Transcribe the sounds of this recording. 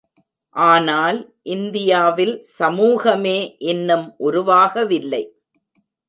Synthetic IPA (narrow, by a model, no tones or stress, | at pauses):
ʔaːnaːl | ʔɪnd̪ɪjaːʋɪlsɐmuːɣɐmeːʔɛnːɯmʔʊɾʊʋaːɣɐʋɪlːɐɪ